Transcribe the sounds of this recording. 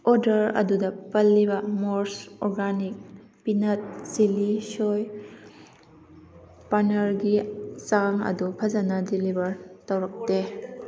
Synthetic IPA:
ʔoɾdɐɾɐ̰dudɐpɐlːibɐmoɾsɔɾɡanik̚ | pinɐt̚z̥ilisoj | panɐɾɡisaŋɐ̰dupʰɐzɐnɐdilibɐɾtɐwɾɐk̚de

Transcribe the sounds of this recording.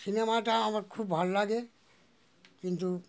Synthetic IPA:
sinemaʈaamaɾkʰubːbʱalːaɡe | kint̪u

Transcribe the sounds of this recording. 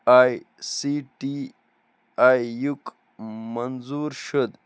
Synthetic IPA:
aj | siʈi | ajjuk | mɐnzuɾʃəd̪

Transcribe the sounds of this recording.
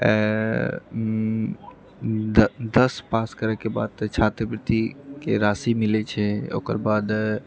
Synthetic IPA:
d̪əspaːskəɾəkeba̰ːd̪t͡ʃʰaːt̪ɾəpɾɪt̪ikeɾaːsimɪlet͡ʃʰɛo̰ːkə̰ɾbaːd̪

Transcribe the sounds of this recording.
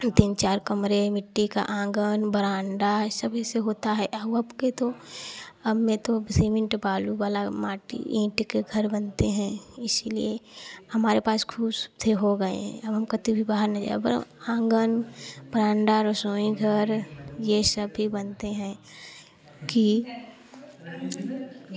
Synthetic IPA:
t̪iːnt͡ʃaːɾkɐmɾemɪʈːika̰ʔãːŋɡənbəɾãːɳɖasɐbʱiseɦoːt̪aɦɛʔɐbɐbket̪o | ɐbmẽt̪obsiːmɪ̃ɳʈbaːluʋaːlamaːʈḭĩːʈkeɡʱɐɾbɐnt̪eɦɛ̃ɪsliehɐmaːɾepaːskʰuːst̪ʰeɦoɡɐḛɦɛ̰̃ɐbɦɐmkɐt̪ibʱibaːɦəɾnɐd͡ʒa̰ːebəɾ̰ãːŋɡənb̥əɾãːɳɖaɾosoːĩɡʱəɾjesəbɦibɐnt̪eɦɛ̃ | ki

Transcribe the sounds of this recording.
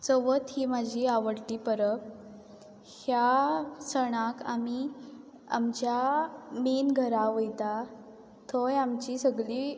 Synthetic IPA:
t͡sɔʋət̪ɦiːmad͡ʑʱiaʋəɽʈiːpəɾəp̚ | hjasəɽ̃aka̰mi | a̰mt͡ɕjamenɡʱəɾaʋojt̪a | t̪ʰɔjamt͡ɕisəɡɭiː

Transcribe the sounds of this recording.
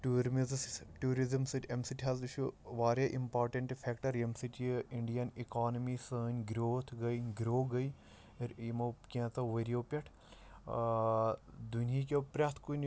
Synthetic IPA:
ʈuːɾmizsʈuːɾizɐmsiʈʰemsiʈʰɦɐld̪ut͡ʃʰuʋaːɾjaːʔimpaːɾʈɐɳʈpʰɛkʈɐɾemsiʈiiɳɖijɐnikaːnɐmisəːnʲɡɾoːt̪ʰɡɐjɡɾoːɡɐi | ɾimokʲẽːt̪ɐʋɐɾioːpʲɐʈʰ | d̪unikepɾʲɐt̪ʰkun

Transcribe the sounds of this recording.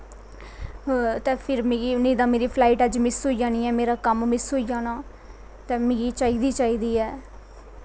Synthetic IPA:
t̪ɛ̃ːpʰɪɾmeɡiːnẽːd̪ãːmeːɾiːpʰlaːiʈəd͡ʒmɪsɦoːiːd͡ʒaːniːɛːmeːɾaːkəmmɪsɦoːiːd͡ʒaːnaː | t̪ɛ̃ːmẽːɡiːt͡ʃaːiːd̪iːt͡ʃaːiːd̪iːɛː

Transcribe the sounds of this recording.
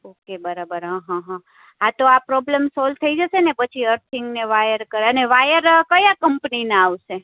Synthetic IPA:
okebəɾabəɾɦãɦãɦã | at̪oapɾɔblemsɔl̚t̪ʰəid͡ʒəʃenepət͡ʃʰiəɾt̪ʰiŋɡneʋajəɾkəɾəneʋajəɾkəjakəmpninaaʋʃe

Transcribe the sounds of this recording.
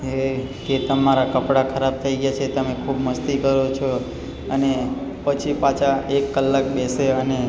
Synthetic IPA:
e | d͡ʒet̪əmaɾakəpɽakʰəɾab̚t̪ʰəiɡjat͡ʃʰet̪əmekʰubməst̪ikəɾot͡ʃʰo | ənepət͡ʃʰipat͡ʃʰaekːəlːakbeseəne

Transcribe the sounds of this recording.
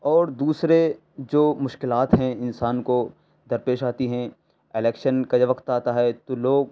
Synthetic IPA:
ɔːɾd̪uːsɾe | d͡ʒoːmʊʃkɪlaːt̪ɦɛ̃ɪnsaːnko | d̪ɐɾpeːʃaːt̪iɦɛ̃ | ɪlɛːkʃənkad͡ʒɐʋəkt̪aːt̪aɦɛt̪oloːɡ

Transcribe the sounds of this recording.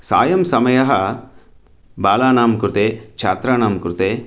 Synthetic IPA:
sa̰ːjɐmsɐmɐjɐɦɐ | baːlaːnaːmkɾut̪eːkt͡ʃʰaːt̪ɾaːnaːmkuɾut̪eː

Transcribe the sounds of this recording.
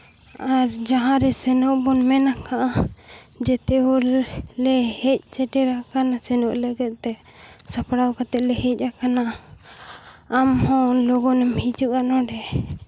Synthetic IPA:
aɾd͡ʒaɦãɾɛsɛnɔʔbɔnmɛnakʰaʔa | d͡ʒɛt̪ɛɔllɛhɛc̚sɛʈɛɾakanasɛnɔʔləɡɛt̪̚ˀt̪ɛ | sapɽawkat̪ɛʔ̚lɛɦɛc̚ˀakana | mhɔ̃lɔɡɔnɛmhid͡ʒuʔanɔɖɛ

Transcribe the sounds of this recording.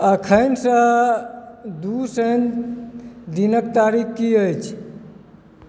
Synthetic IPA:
əkʰəjnsə̃ | d̪usən | d̪inəkt̪aɾikkiəjt͡ʃʰ

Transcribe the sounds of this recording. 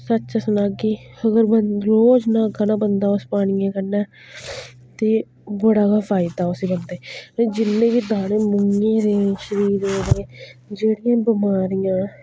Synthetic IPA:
sətːt͡ʃaːsʊnaːɡiːəɡəɾbəɾoːd͡ʒnãːɡənãːbənd̪aːʊspaːɽ̃ɪjãːkəɾnaː | t̪eː | bəɽaːɡaːfʰaːɪd̪aːʊsiːbənd̪eːẽd͡ʒɪnːẽːkiːd̪aːɽẽːmʊŋɡẽːɾeːʃəɾiːɾẽːɾẽːd͡ʒeːɽɪjãːbɪmaːɾijãː

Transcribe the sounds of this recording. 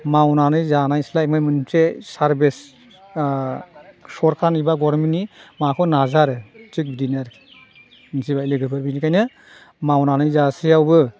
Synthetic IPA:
mawnanɯjzanajslaimɯmɯnsesaɾbes | sɔɾkʰanibaɡɔɾminimakʰɔnazaɾɯt͡ʃik̚bidinaɾ | nsibaileɡɯɾpʰɯɾbinikʰajnɯ | mawnanɯjzasijawbɯ

